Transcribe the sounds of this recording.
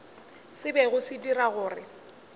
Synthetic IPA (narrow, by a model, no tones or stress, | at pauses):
sɪbɛɣʊsitiraɣʊːrɪ̰